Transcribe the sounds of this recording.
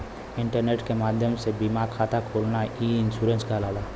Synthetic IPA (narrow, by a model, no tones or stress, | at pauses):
ɪ̃ɳʈəɾneːʈkemaːd̪ʱjəmsebimaːkʰaːt̪akʰoːlnaiːɪnsuːɾə̃nskalaːʋaː